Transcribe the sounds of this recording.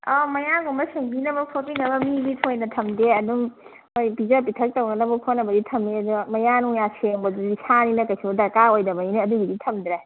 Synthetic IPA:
ɔmɐjaɡumɐseŋbinɐbɐpʰopinɐbɐmiɡipʰojnɐtʰɐmdeɐduŋ | ojpizɐpitʰɐk̚tɐwɡɐnɐbɐpʰonɐbɐditʰɐmeɐduɡmɐjanuŋjaseŋbɐdudisaninɐkɐjsiɐdɐkaojdɐmɐineɐduɡiditʰɐmd̪ɾe

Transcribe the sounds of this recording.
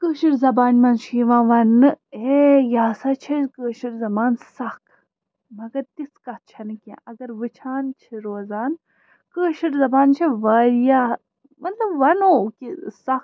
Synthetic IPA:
kəːʃiɾzɐbaːnʲmɐnt͡ʃʰiʋãːʋɐnːɨejaːsɐt͡ʃʰikəːʃiɾzɐmaːnsɐk | mɐɡɐɾt̪iskɐt̪̚t͡ʃʰɐnɨkʲã̰ʔɐɡɐɾʋɨt͡ʃʰaːnt͡ʃʰiɾoːzaːn | kəːʃiɾzɐbaːnt͡ʃʰiʋaːɾjaː | mɐt̪lɐbʋɐnokisɐk

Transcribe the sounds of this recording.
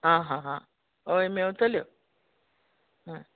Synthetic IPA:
ɦãɦãɦã | oemeut̪əljo | ɦã

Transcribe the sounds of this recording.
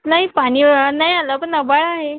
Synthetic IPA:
naɦipaɽ̃iːnajalapənəbaɭaɦe

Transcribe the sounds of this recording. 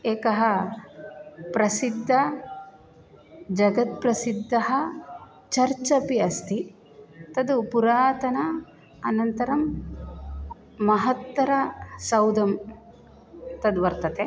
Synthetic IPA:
eːkɐɦɐ | pɾɐsid̪ʱːɐ | d͡ʒɐɡɐt̪̚pɾɐsid̪ʱːɐɦɐ | t͡ʃɐɾt͡ʃɐpiɐst̪ʰi | t̪ɐd̪upuɾaːt̪ɐnɐː | nɐnt̪ɐɾɐm | ɐɦɐt̪ːɐɾɐsɐwd̪ɐm | t̪ɐd̪ʋɐɾt̪ɐt̪e

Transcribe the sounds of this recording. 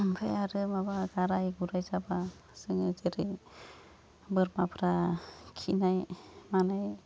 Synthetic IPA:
bʱeaɾɯmabaɡaɾajɡuɾajzabasɯŋɯzeɾi | bɯɾmapʰɾakʰinajmanaj

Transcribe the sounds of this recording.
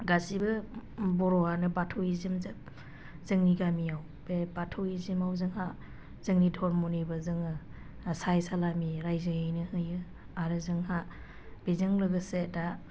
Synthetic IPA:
ɡasibɯbɔɾɔhanɯbatʰɔizimzɯp̚ | z̥ɯŋniɡamijaw | b̥ebatʰoizimawzɯŋɦa | z̥ɯŋnidʰʱɔɾmunibɯzɯŋɯ | sajsalamiɾajzɯhɯjnɯhɯjɯ | aɾɯzɯŋɦa | b̥ezɯŋlɯɡɯseda

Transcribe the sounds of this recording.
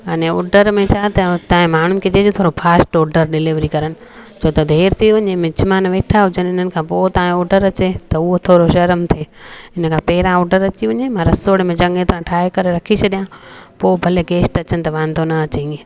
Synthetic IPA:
ɐnẽo̰ːɖəɾmẽt͡ɕʰaːt̪ɐt̪ãːẽmaːɳ̤ʊnɪkʰed͡ʑed͡ʑot̪ʰoːɾopʰaːsʈoːɖəɾɗɪlɪʋɾikɐɾənɪ̆ | t͡ɕʰoːt̪ɐd̪ʱeːɾt̪ʰiʋɐɲẽmɪ̃t͡ɕmaːnʋeːʈʰaɦʊd͡ʑənɪn̤ənɪkʰãːpoːt̪ɐẽoːɖəɾɐt͡ɕet̪ɐʊɦot̪ʰoːɾoʃɐɾəmt̪ʰeːɪnəkʰãːpɛɦɪɾãoːɖəɾɐt͡ɕiʋɐɲemãɾɐsoːɽmẽd͡ʑɐ̃ŋɡet̪ɾãʈʰaːekɐɾeɾɐkʰit͡ɕʰɐɗijãpoːbʱɐleɡeːsʈɐt͡ɕənɪ̆t̪ɐʋãːnd̪ʱonɐɐt͡ɕɐĩɡe

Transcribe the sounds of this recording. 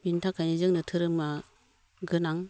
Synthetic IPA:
bintʰakʰajnizɯŋnɯtʰɯɾɯmma | ɡɯnaŋ

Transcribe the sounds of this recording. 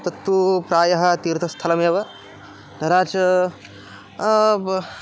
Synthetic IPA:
t̪ɐt̪ːupɾaːjɐɦɐt̪iːɾt̪ʰɐst̪ʰɐlɐmeʋɐ | d̪ʱɐɾaːt͡ʃ

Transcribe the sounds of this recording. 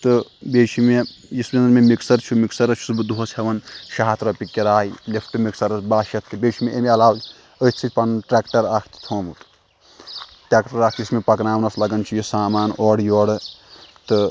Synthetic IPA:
t̪ɨbeːt͡ʃʰimejismʲenɐnmemiksɐɾt͡ʃʰumiksɐɾɐt͡ʃʰusbɨd̪uɦosʰhɐʋɐnʃaɦat̪ɾopikːiɾaːilepʰʈɨmiksɐɾɐsbaːʃɐt̪ʰːɨbʲeːt͡ʃʰimeʔemeɐlaːw | ət̪ʰt͡sʰit͡ʃʲpɐnʈɾaːkʈɐɾaːkʰt̪i̥t̪ʰoːmut̪ | ʈɾʲeːkʈɐɾaːk̪̚ʰjismepɐknaːwnɐslɐɡɐnt͡ʃʰijisaːmaːnɔːɽjoːɽɨt̪ɨ

